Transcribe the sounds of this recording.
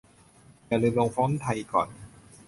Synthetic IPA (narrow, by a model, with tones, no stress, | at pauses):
ja˧˩lɯː˧nlo˧ŋfɔː˦˥nt̪ʰa˧jkɔː˨˩n